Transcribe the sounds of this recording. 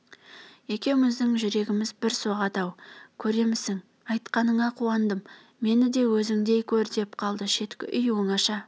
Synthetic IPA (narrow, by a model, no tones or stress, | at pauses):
e̞kʲe̞wmɪzd̪ɪŋʒʏɾe̞ɡʲɪmɪzbɪɾso̞ʁɑt̪ɑwkʲʰɵɾe̞mɪsɪŋ | ɑjt̪qɑnəɴɑqʰuɑnd̪əm | me̞nɪd̪e̞wɵzɪŋd̪e̞jkʲʰɵɾd̪e̞pqʰɑlˠd̪əʃe̞t̪kʲɪ̰ʔʏjwo̞ɴɑʃɑ